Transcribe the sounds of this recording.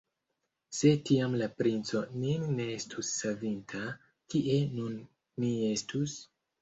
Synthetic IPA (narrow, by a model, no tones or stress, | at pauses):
se̞tiamlapɾint͡so̞ninːe̞estʰusːavintʰa | kiʔe̞nunː | ie̞stʰus